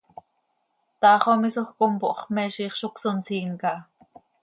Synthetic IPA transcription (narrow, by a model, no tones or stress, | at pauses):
t̪ɑːχomisoxkompoʔχmɛːʃiːχʃoksont͡siːŋkɑ